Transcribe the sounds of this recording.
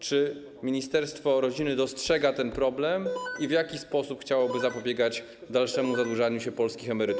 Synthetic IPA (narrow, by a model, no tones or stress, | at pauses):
t͡ʂɘ | mʲiɲist̪ɛɾst̪fɔɾɔd͡ʑinɘd̪ɔstʂɛɡat̪ɛnpɾɔblɛmivjakʲispɔsupxt͡ɕawɔbɘzapɔbʲjeɡad͡ʑ | d̪alʂɛmuzad̪wuʐaɲuɕɛpɔlskʲixɛmɛɾɘt̪